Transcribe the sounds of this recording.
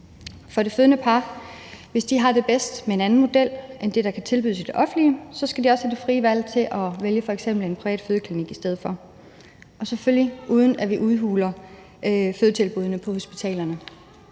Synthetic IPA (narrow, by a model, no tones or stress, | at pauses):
fɒ̽ɾe̝føð̞ˠənəpʰɑ̈ːʋe̝sd̥iɦɑ̈d̥e̝b̥esd̥mee̝nænn̩mo̝d̥el̰ʔend̥e̝ɾɑ̈kʰæt͡sʰe̝lb̥yðˠsd̥e̝ʔɒ̽fn̩liəsɒ̽sɡ̥ædiɒ̽shæd̥e̝fʁiːʋæl̰t͡sʰe̝ʔɒ̽ʋeljəfɒ̽eɡ̥sem̰b̥l̩e̝npʰʁiɛ̰ːd̥føð̞ˠəkʰliniɡ̥isd̥eð̞̰ˠfɒ̽ | ʔɒ̽seføljiʔuːð̞ˠən̩æʋiʔuðˠɦṵːlɐ | føð̞ˠt͡sʰe̝lb̥uð̞ˠənəpʰɒ̽ho̝sb̥it͡sʰɛ̰ːlɐnə